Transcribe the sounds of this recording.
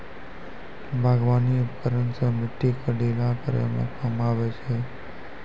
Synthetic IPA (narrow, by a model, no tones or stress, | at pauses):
bʱaɡʋanipəɾənsəmɪʈ̪ːikəɽilakəɾə̰mə̰kəmaʋet͡ʃʰe